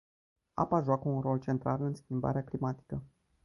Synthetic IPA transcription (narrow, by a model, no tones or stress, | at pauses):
a̰paʒoakəunro̞lt͡ʃe̞nt̪ɾʔalɨnskʲimba̰ɾeaklimat̪i̥kə